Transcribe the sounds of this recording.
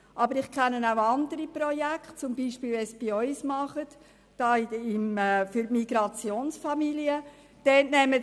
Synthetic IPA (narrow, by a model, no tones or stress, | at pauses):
ʔɑbəɾɪχkʰɛnənaʊɑndəɾipɾɔjækχt̚t͡sʊmbiːʃpiːlʋɛsb̥iœʏsmɑχət | d̥ɑːɪmfyɾmiɡ̥ɾɑt͡sjoːnsfɑmiliə | d̥ɛtnɛmə